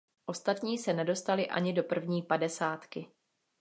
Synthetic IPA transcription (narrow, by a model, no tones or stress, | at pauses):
ʔo̞st̪at̪ɲiːsɛnɛdo̞st̪alɪʔa̰ɲɪdo̞pr̩vɲiːpadɛsaːt̪kɪ